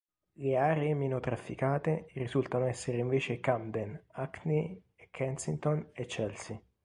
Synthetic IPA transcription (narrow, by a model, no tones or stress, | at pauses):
leaːɾeemenot̪ɾafːikaːt̪erizult̪anoɛsːeɾeiɱveːt͡ʃekamd̪enakni | ɛkʰɛnsint̪onet͡ʃːɛlsi